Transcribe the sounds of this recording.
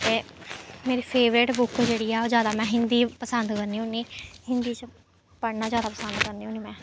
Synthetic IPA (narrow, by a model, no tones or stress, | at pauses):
t̪eːmeːɾiːpʰeːʋɾeːʈbʊkd͡ʒeːɽiːaːoːzjaːd̪aːmɛ̃ːɦɪnd̪iːpəsənd̪kəɾniːõniːhɪnd̪iːt͡ʃ | pəɽnaːzjaːd̪aːpəsənd̪kəɾniːuːniːmɛ̃ː